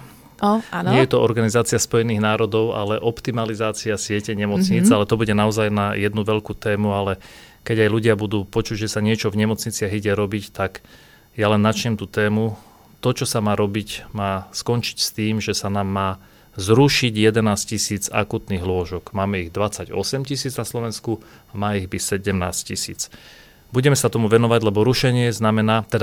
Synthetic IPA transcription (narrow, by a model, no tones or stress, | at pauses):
anɲɪɛjjɛt̪ɔɔɾɡanizaːt͡sɪaspɔjɛniːɣnaːɾɔd̪ɔʊʔa̰lɛʔɔpt̪imalizaːt͡siasɪɛcɛɲɛmɔt͡sɲiːt͡salɛt̪ɔbuɟɛnaɔzajnajɛd̪nuʋɛʎkuːt̪ɛːmualɛ | kɛɟajluɟɪabud̪uːpɔt͡ʃuɟʒɛsaɲɪɛt͡ʃɔvɲɛmɔt͡sɲit͡sɪaɣiɟɛɾɔbict̪ak | jalɛnːat͡ʃɲɛmt̪uːt̪ɛːmu | t̪ɔt͡ʃɔsamaːɾɔbicmaːskɔnt͡ʃi̥cst̪iːmʒɛsanaːmːaː | zɾuʃiɟjɛd̪ɛnaːscisiːd͡za̰kuːt̪niːɣlʊɔʒɔɡmaːmɛiɣd̪ʋat͡saɟɔ̰sɛmcisiːd͡znaslɔʋɛnskuamaːiɣbisɛɟɛmna̰ːsccisḭːt͡s | buɟɛmɛsat̪ɔmuʋɛnɔʋaɟlɛbɔɾuʃɛɲɪɛznamɛnaːt̪ɛd̪a